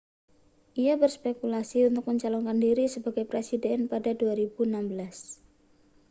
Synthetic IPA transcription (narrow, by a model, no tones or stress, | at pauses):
ʔijabərspekulasiunt̪ʊk̚məɲt͡ʃalɔŋkandiɾisəbaɡajpɾesidɛnpadaduaɾib̥unambəlas